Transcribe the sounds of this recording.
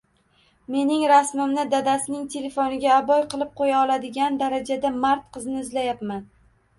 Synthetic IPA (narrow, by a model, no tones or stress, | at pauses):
me̞nɪŋɾasmɪmnɪd̪ad̪asɪnɪŋt̪ʰe̞le̞fonɪɡʲaːbɒjqʰɨlˠɪp̚qʰojaɒlˠad̪ɪɡʲand̪aɾad͡ʒad̪amaɾt̪qʰɨznɪɪzlajapman